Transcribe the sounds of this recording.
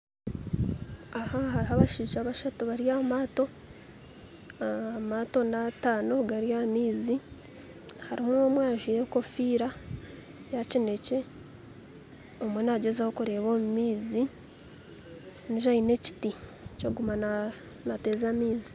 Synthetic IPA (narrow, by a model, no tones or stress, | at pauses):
ahaɦaɾiɦaβaʃiːʒaβaʃatuβaɾijamaːto̞ | amato̞nataːno̞ɡaɾjamiːzi | haɾihonomwaːʒujeko̞fiːɾa | jacine̞ce̞ | omwenaɟezaho̞kuɾe̞ːβo̞ːmumiːzi | niʒaine̞ci̥ti | coɡuman | nate̞ːzaːmiːzi̥